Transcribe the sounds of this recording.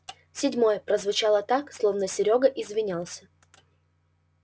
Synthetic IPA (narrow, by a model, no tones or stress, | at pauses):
sʲɪdʲmo̞jəpɾəzvʊt͡ɕalˠət̪akslˠo̞vnəsʲɪɾʲoɡəʔɪzvʲɪnʲalˠsʲə̥